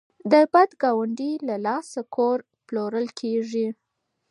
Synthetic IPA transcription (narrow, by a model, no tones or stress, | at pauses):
d̪əbad̪ɡɑwaɳɖilalɑsakʰoɾ | ploɾəlkʰeʐi